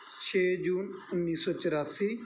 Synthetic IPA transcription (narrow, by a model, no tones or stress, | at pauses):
t͡ʃʰeːd͡ʒuːnʊnːiːsɔːt͡ʃəɾaːsiː